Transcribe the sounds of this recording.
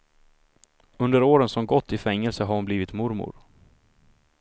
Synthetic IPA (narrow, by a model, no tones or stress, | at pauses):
ɵnd̪əɾoːɾənsɔmɡɔt̪ʰːɪfɛŋːɛlsəɦaɾʊnbliːvɪt̪mʊɾmʊ̰ɾ